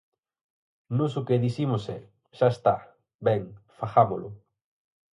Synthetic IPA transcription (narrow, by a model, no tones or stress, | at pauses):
nosʊkeðiθimosɛ | ʃaest̪a | bɛŋfaxamolʊ